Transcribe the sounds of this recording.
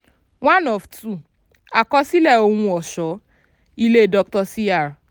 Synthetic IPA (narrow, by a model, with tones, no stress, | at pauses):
wã˦nɔ˨ftu˦˨ | a˨kɔ˧˦si˦lɛ˦˨o˧hũ˧ɔ˨ʃɔ˨˦ | i˧le˦˨dɔ˧k̚tɔ˧si˦a˦˨ɾ